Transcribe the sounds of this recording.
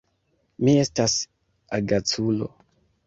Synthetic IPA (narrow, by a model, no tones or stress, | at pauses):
mie̞stas | aɡat͡sulo̰